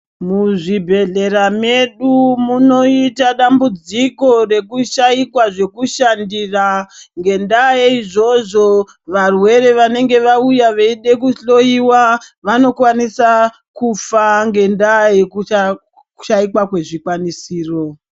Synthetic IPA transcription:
muʐibʱe̞ɮe̞ɾame̞ɗumuno̞itaɗambud͡ziko̞re̞kuʃaikwaʐe̞kuʃandiːraŋɡe̞ndajeiʐo̞ʐo̞ | ʋarwe̞ɾe̞ʋane̞ŋɡe̞ʋaujaʋeiɗe̞kuɬo̞iwaʋano̞kwanisa | kufaŋɡe̞ndajeku | kuʃaikwakwe̞ʐikwanisiːro̞

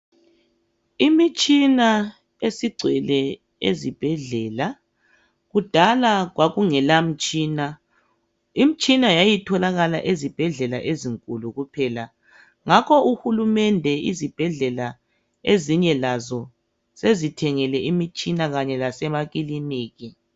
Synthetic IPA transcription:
imit͡ʃʼina | esiɡ͡ǀʱwɛlɛ | ezib̥ʱɛɮɛːla | ɣud̥ʱalaɣwaɣuŋɛlam̩t͡ʃʼiːna | im̩t͡ʃʼinajajitʰɔlaɣala̰ʔezib̥ʱɛɮɛla̰ʔeziŋkʼuluɣupʰɛːla | ŋakʰɔuxulumɛndʱɛizib̥ʱɛɮɛla | eziɲɛlazɔ | sezitʰɛŋɛlɛʔimit͡ʃʼinaɣaɲɛlasɛmaɣiliniːɣi

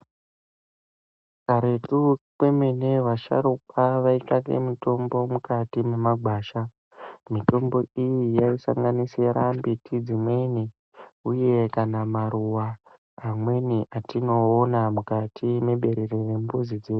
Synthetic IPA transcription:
kaɾe̞tukwe̞meneʋaʃa̰ɾukaʋaikakḛmito̞mbo̞mukatimemaɡʱwaːʃa | mito̞mbo̞ijijaisa̰ŋɡaniseɾambitʰid͡zimwe̞ni | uje̞kanamaɾuwaː | mwe̞niʔatino̞ːnamukatʰimeɓe̞ɾerere̞mbuzid͡ze

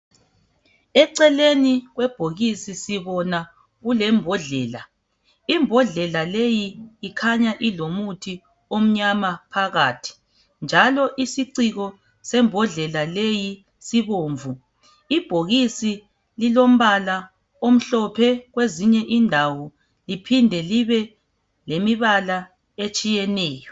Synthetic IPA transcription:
ɛǀɛleniɣwɛb̥ʱoɣisisiβɔna | ɣulɛmbʱɔɮɛːla | imbʱɔɮɛlalejiːkʰaɲaʔilomutʰi | om̩ɲamapʰaɣaːtʰi̥ | nd͡ʒʱalɔʔisiǀiɣɔ | sɛmbʱɔɮɛlaleji | siβoːɱvu | ib̥ʱoɣisi | lilom̩βala | om̩ɬɔpʰɛɣweziɲɛʔindʱawɔ | lipʰindʱɛliβɛ | lemiβala | et͡ʃʼijɛnɛːjɔ

